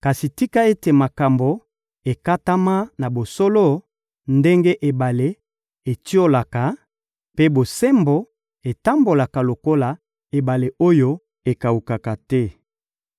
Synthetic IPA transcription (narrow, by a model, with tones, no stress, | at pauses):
ka˨si˨ti˦ka˦e˦te˨ma˨ka˨mbo˨ | e˨ka˦ta˦ma˦na˨bo˨so˦lo˦ | nde˦ŋɡe˦ʔe˨ba˨le˨˦ | e˨ti˦o˦la˨ka˨ | pe˦bo˨se˦mbo˨ | e˨ta˦mbo˨la˨ka˨lo˨ko˦la˨ | e˨ba˨le˨ʔo˦jo˦ | e˨ka˨u˨ka˨ka˨tɛ˦